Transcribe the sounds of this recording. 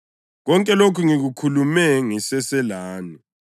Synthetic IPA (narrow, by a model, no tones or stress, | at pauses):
ɣɔŋkʼɛlokʰuŋiɣukʰulumɛŋisɛsɛlaːni